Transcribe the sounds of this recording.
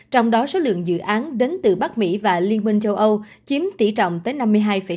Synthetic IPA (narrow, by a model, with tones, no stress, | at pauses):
t͡ɕɔ˧wŋ͡mɗɔ˨˦so˨˦lɨ̰˧˨əŋzɨ̰˧˨ʔaː˨˦nɗe˨˦nt̪ɨ˨˩ɓa˦˥k̚mḭ˧˥vaː˨˩li˧ənmï˧ŋ̟t͡ɕə˧wʔə˧w | t͡ɕi˨˦əmt̪ḭ˧˩t͡ɕɔ̰˧˨wŋ͡mt̪əː˨˦jna˧mːɨ˧əjɦaː˧jfə˧˩